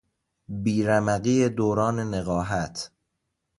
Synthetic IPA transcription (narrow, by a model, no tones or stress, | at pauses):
biːɾæmæɣiːed̪oːɾɒːne̞neɣɒːɦæt̪ʰ